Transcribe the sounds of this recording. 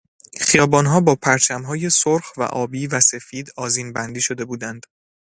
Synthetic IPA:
χijɒːbɒːnɦɒːbɒːpʰæɾt͡ʃʰæmɦɒːje̞soɾxvæ̰ʔɒːbiːvæse̞fiːd̪ɒːziːnbænd̪iːʃo̞d̪e̞buːd̪ænd̪̥

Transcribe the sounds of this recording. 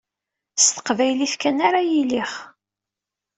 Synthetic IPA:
st̪ə̥qvæjliθkænaɾajiliχ

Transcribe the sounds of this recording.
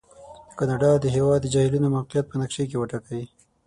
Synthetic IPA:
d̪əkɑnɑɖɑd̪ːəɦewɑd̪ːəd͡ʒɑhilunomawqijat̪̚pənakʂek̬ewəʈakawi

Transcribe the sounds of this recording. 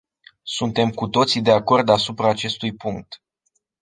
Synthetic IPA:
sunt̪e̞mkut̪o̞t̪sid̪e̞ako̞rd̪asupɾaːt͡ʃe̞st̪ujpuŋk̚t̪

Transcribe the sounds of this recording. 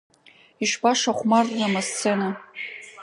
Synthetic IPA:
iʃbaʂaχʷmarːamast͡sʰena

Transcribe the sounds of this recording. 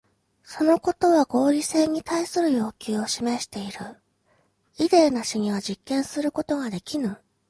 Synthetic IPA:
so̞no̞ko̞t̪o̞βaɡo̞ːɾʲise̞ːɲ̟it̪aisɨɾɯ̟jo̞ːkʲɨːo̞ɕime̞ɕi̥t̪e̞iɾɯ̟ | id̪e̞ːnaɕiɲ̟iβ̞ad͡ʑikːẽ̞ɰ̃sɨɾɯ̟ko̞t̪o̞ɡad̪e̞kʲinɯ

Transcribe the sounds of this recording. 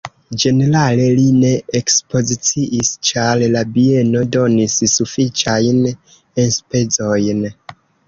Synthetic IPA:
d͡ʒe̞ne̞ɾale̞line̞ekspo̞zit͡siʔist͡ʃaɾlabie̞no̞do̞nissufit͡ʃajn | enspe̞t͡so̞jn

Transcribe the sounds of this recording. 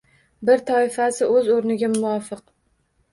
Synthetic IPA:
bɪɾt̪ʰɒɪfasɪʔɵzoɾnɪɡʲamʊwɒfɨq

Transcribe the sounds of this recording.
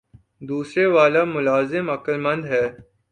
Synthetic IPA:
d̪uːsɾeʋaːlamʊlaːzɪmɐkəlmɐ̃nd̪ɦɛː

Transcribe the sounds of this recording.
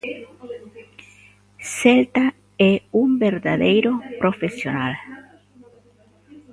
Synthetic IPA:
selt̪a | ɛumbeɾðaðejɾopɾofesjonal

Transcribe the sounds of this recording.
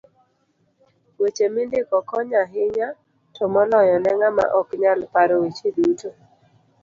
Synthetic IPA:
wet͡ʃemɪndɪkɔkɔɲaɦɪɲa | tʰɔmɔlɔjɔnɛŋama̰ʔɔkɲalpaɾɔwit͡ʃeduto

